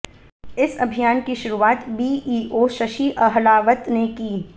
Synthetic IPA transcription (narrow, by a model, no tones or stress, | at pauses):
ɪsɐbʱijaːnkiʃʊɾuaːt̪biːiːʔoːʃɐʃiʔɐɦlaːʋət̪nekiː